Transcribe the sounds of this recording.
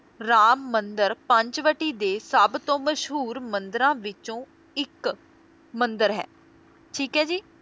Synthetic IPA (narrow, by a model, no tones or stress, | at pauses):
ɾaːmːənd̪əɾpə̃ɲt͡ʃʋəʈiːd̪eːsəbt̪õːməʃɦuːɾmənd̪əɾãːʋɪt͡ʃõː | ɪk | mənd̪əɾɦɛ̰ː | ʈʰiːkɦɛːd͡ʒiː